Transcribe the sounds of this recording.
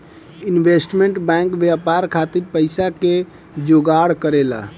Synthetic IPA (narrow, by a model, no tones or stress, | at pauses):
inbesʈmeɳʈbɛŋkʋjapaɾkʰat̪iɾpəɪsake | d͡ʒoɡaɽkəɾela̰